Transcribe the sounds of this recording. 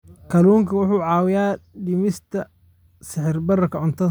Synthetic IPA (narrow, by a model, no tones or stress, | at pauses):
kʰɐluːŋkʰɐwʊħuːʕɑːwɪjaːɖɪmɪst̪ʰɐ | sɪħɪrbɐrɐkʰɐʕʊnt̪ʰɐ